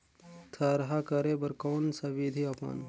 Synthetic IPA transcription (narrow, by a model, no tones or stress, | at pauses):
t̪ʰəɾɦakəɾebəɾkoːnsɐʋid̪ʱiɐpə̰n